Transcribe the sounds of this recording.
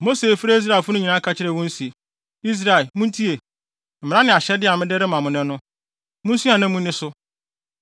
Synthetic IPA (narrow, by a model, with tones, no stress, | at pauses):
mo˦se˨fi˦ɾe˦i˦s̬ɾa˦˨ɪ˨fʊ˦nʊ̃˦ɲĩ˨nã˦kʰa˨t͡ɕʰɪ˦ɾɛ˨wɔ̃˦n̩˦si˨e˨ | i˦s̬ɾa˨ɪ˨lmũ˦n̩˦tʰi˦e˨ | m̩˨mɪ̃˨ɾã˦nɪ̃˨a˨ɕɛ˦dɪ˦a˨mɪ̃˦dɪ˦ɾɪ˦mã˨mʊ̃˨nɛ̃˦nʊ̃˦ | mʊ̃˦n˦su˦ã˨nã˦mũ˦nɪ̃˦sʊ˦